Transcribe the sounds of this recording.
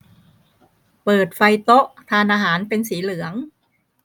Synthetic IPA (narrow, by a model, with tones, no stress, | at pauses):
pɤː˨˩t̪̚fa˧jt̪o˦˥ʔt̪ʰaː˧nʔaː˧ɦaː˩˦npe˧nsiː˩˦lɯ˩˦əŋ